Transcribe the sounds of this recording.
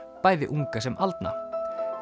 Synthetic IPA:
paːjðɪʔuŋkasɛmʔalt̪na̰

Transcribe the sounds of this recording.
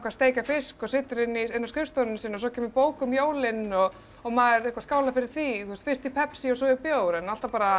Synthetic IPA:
kvaɾst̪eːjcafɪskɔsɪt̪ɾɪnːiɪnːaskɪfst̪ɔnɪnsiːnːɔsɔcʰɛːmɪpoːwkʏmjoːwlɪnɔɣː | maðɪɾehkvaskaːwlafɪɾɪɾ̥θiθust̪fɪst̪ipʰɛpsiɔsɔipjowɾɛnal̥t̪apaːɾa

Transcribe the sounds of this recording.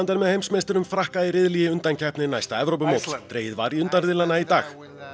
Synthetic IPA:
nt̪ɛɾmɛðhejmsmejst̪ʏɾʏmfɾahkajɪɾɪðlijɪʏnt̪ancʰɛhpnɪnajst̪aɛvɾowp̬ʏmoːwt̪t̪ɾeːjɪðva̰ɾiʏnt̪anɾðɪlanːait̪aːx

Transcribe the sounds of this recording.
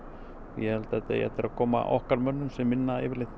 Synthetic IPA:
jɛhɛlt̪aɛt̪ːḛjɛ̰ht̪ːɪɾakʰɔːma̰ʔɔhkaɾmœnːʏnsɛmːɪnːaɪ̰ːvɪɾlɪht̪

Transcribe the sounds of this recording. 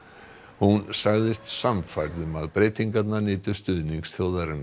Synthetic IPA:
hunsaɣðɪst̪samfajɾðʏmaðpɾeːjt̪iŋkat̪nanɪːt̪ʏ̥st̪ʏðniŋksθjowðaɾɪnː

